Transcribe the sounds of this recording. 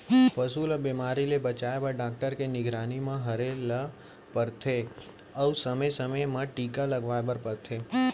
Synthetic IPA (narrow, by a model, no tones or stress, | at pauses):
pəsuːləbimaːɾilebət͡ʃaːebəɾɖaːk̚ʈəɾkenɪɡɾaːnimãɦəɾelə | pəɾt̪ʰe | əusəməsəməjmãʈiːkaləɡʋaːebəɾpəɾt̪ʰe